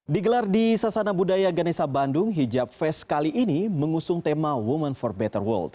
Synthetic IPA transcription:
diɡəlardisasanabudajaɡanɛsabandʊŋɦid͡ʒap̚fɛskaliʔːniməŋusʊŋt̪emawumənfɔrbɛt̪ərwə̰ld̪

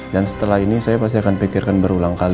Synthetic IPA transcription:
dansə̥t̪əlahinisajapas̬t̪iakanpikɪrkanbəɾulaŋkal

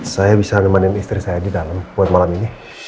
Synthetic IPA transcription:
sajabisanəmanɪnist̪ɾisajadidalambuat̪̚malamini

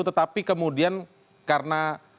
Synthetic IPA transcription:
ut̪ət̪apikəmudian | karəna

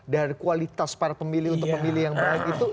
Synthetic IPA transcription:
daɾikualit̪aspaɾapəmilɪhunt̪ʊk̚pəmilɪhjaŋbaakit̪u

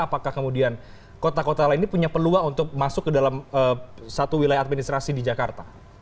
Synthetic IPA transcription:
apakahkəmudian | kot̪akot̪alainipuɲapəluaŋunt̪ʊk̚masʊkːədalaməːsat̪uwilajaat̪̚minist̪ɾasidid͡ʒakart̪a

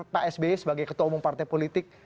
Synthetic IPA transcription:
t̪aʔɛsbeɛsəbaɡajkət̪ɔmuŋpart̪ajpolit̪ɪk̚

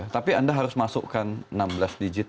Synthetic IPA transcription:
t̪apiandaɦaɾʊsmasṵʔkannambəlasdid͡ʒɪt̪

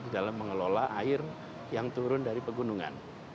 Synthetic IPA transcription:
didalamːəŋəlolaʔaɪr | jaŋt̪uɾʊndaɾipəɡunuŋa̰n

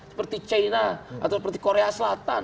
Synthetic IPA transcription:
sə̥pərt̪it͡ʃainaa̰t̪awsəpərt̪i̥koɾeasəlat̪a̰n

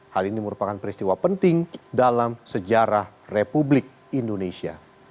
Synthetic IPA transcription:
haliniməɾupakanpəɾist̪iwapənt̪ɪŋdalamsəd͡ʒaɾah | republɪk̚ | indonesia̰

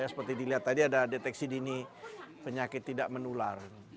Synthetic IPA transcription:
jasə̥pərt̪idiliɦat̪ːadiadadet̪ɛksidinipəɲakɪt̪ːidaʔmənular

